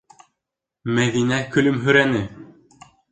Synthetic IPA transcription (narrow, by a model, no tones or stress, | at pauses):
mæðinækɵ̆lɵmɦɵ̆ɾænɘ